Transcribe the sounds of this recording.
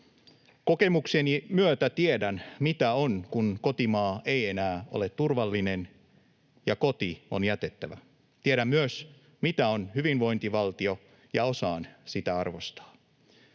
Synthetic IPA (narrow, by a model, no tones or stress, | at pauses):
koke̞muksenimyøt̪æt̪iedænmit̪æonkunkot̪imɑːeienæːʔolet̪turʋɑlːinen | jɑko̞t̪ionjæt̪et̪ːæʋæ̰ | t̪ieɾæmmyøs | mit̪æonhyʋinʋo̞int̪iʋɑlt̪io | jɑo̞sɑːnsit̪æɑrʋost̪ɑ̥ː